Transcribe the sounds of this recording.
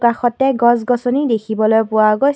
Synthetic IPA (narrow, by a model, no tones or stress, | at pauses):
kaxɔtɛɡɔsɡɔsɔnidekʰibɔlojpʊwaɡoj